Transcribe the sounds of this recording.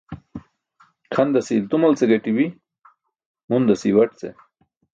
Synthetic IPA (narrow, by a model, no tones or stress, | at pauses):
kʰɐnd̪ɐsilt̪umɐlt͡seɡɐʈibi | mund̪asiwɐʈ̚t͡sḛ